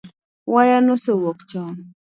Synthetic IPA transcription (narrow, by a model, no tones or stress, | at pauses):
wajanosowɔkt͡ʃɔn